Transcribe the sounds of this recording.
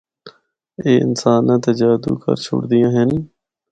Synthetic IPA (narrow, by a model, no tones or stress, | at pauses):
eːɪ̰nsaːnãːt̪ed͡ʒaːd̪ṵːkə̰ɾt͡ʃʰʊ̰ɽd̪ɪjãːɦən